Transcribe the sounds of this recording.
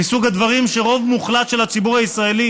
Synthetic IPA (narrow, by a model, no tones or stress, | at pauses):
isuɡad̪vaʁimʃe̞ʁo̞vmuχlat̪ʃelhat͡sibuʁaisʁae̞li